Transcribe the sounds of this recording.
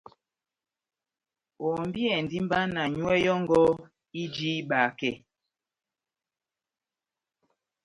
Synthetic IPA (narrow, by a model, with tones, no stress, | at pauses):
ɔ˨mbi˦ɛ˨n˨di˦m˦ba˦na˨ɲu˦ɛ˦jɔ˦ŋɡɔ˦ | i˦d͡ʒi˦ɓa˨kɛ˦˨